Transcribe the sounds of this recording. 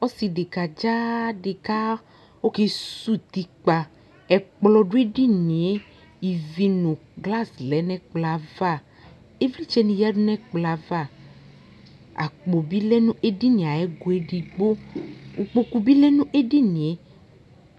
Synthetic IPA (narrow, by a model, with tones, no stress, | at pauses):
ɔ˦si˨ɖe˨ka˨d͡ʒa˦ɖe˨ka˦ | wo˦ke˦su˦t̪i˨k͡pa˨ | ɛ˨k͡plɔ˨ɖu˦e˦ɖi˦nĩ˨e˦ | i˨vi˦nũ˨ɡla˦slɛ˨˦nɛ̃˦k͡pla˨va˦˨ | e˦vli˦t͡ʃɛ˦nĩ˨ja˦ɖu˦nɛ̃˦k͡pla˨va˦˨ | a̰˨k͡po˨bi˦lɛ˦nũ˦e˦ɖi˦nĩ˨a˨ɛ˦ɡo˨e˦ɖi˨ɡ͡bo˦u˨k͡po˨ku˦bi˦lɛ˦nũ˦ʔe˦ɖi˦nĩ˨e˦